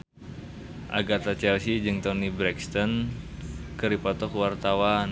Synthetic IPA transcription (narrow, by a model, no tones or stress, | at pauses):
ʔa̰ɡat̪at͡ʃɛlsid͡ʒɨŋt̪ɔnibɾɛkst̪ɔn | kɨɾipɔt̪ɔkwart̪awan